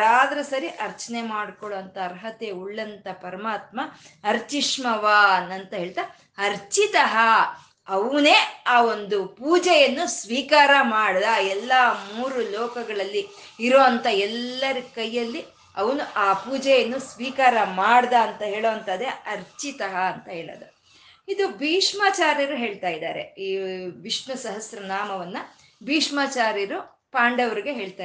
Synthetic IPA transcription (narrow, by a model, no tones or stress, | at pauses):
aːd̪ɐɾɐsɐɾiʔɐɾt͡ʃɐnemaːɽkɔɭoʋɐnt̪ʰɐːɾɦɐt̪euɭːɐnt̪ɐpɐɾɐmaːt̪̚mɐɐɾt͡ʃiʂmɐʋaːnɐnt̪ɐɦe̞ːɭt̪a | ɐɾt͡ʃit̪ɐɦɐ | ɐʋuneːaːo̞nd̪upuːd͡ʒɛjɐnːusʋiːkaːɾɐmaːɽd̪aɛlːɐmuːɾulɔːkɐɡɐɭɐlːi | iɾoːɐnt̪ʰɐɛlːɐɾikɐjːɐlːi | ɐʋɐnuʔaːpuːd͡ʒɛjɐnːusʋiːkaːɾɐmaːɽd̪ɐːnt̪ɐɦe̞ːɭoːɐnt̪ɐd̪eɐɾt͡ʃit̪ɐɦɐːnt̪ɐɦeːɭɐ̰d̪u | id̪ubʱiːʂmaːt͡ʃaːɾiɾuɦe̞ːɭt̪aːjid̪aːɾe̞̰iːʋiʂɳɐsɐɦɐsjɾɐnaːmɐʋɐnːɐ | bʱiːʂmaːt͡ʃaːɾiɾu | paːɳɖɐʋɐɾiɡe̞ɦeːɭt̪aː